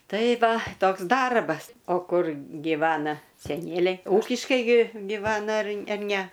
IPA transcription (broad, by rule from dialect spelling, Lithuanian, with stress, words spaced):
ˈtɐɪ ˈʋɐ ˈtoːks ˈdɐrbɐs ˈoː ˈkʊr ɡʲɪˈʋɑːnɐ sʲɛˈnʲiɛlʲɛɪ uːkʲɪʃkɐɪ ɡʲɪ ɡʲɪˈʋɑːnɐ ɐr ɐr nʲɛ